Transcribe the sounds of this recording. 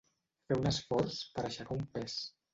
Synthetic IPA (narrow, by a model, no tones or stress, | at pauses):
fɛunəsfɔɾspəɾaʃakaumpɛs